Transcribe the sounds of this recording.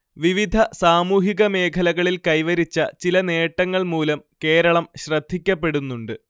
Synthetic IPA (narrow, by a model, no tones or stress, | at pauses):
ʋiʋid̪ʱɐsaːmuːɦiɣɐme̞ːkʰɐlɐɣɐɭilkɐjʋɐɾit͡ɕːɐt͡ɕilɐne̞ːʈːɐŋːɐɭmuːlɐmke̞ːɾɐɭɐmɕrɐd̪ʱːikʲːɐpːe̞ɽunːuɳɖɨ